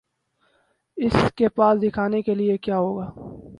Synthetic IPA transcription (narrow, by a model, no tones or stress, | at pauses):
ɪskepaːsd̪ɪkʰaːnekeliekjaːɦoːɡaː